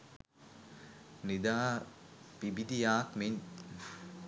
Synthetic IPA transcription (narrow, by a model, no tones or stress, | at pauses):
nid̪aː | pibid̪ijaːkmiɲ